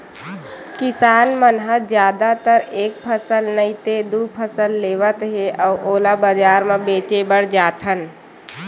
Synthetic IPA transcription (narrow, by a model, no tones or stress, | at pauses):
kɪsaːnmənɦəd͡ʒjaːd̪at̪əɾeːk̚pʰəsəlnəit̪ed̪uːpʰəsəlːeːʋət̪ɦeʔɔːʔoːlabəd͡ʒaːɾmẽbeːt͡ʃebəɽd͡ʒaːt̪ɦən